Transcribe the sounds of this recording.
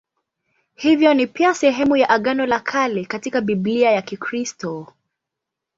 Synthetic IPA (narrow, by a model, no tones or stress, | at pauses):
hivjɔnipiasɛɦɛmujaʔaɠanɔlakʰalikatikaɓibliajakikɾistɔ